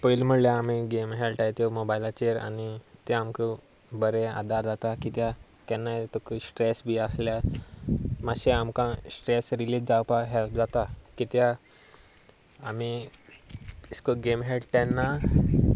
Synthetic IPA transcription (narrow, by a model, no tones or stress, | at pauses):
pəjlm̤əɽljaːmiɡemɦelʈajt̪omobajlat͡ɕeɾa̰nit̪eamkə | bəɾẽa̰d̪ʱaɾd͡zat̪akit̪ja | kɛnːat̪okəsʈɾesbiəslja | maɕeamkãsʈɾesɾilisd͡zawpaɦɛlpd͡zat̪akit̪ja | ami | iskoɡemɦeɖt̪ɛnːa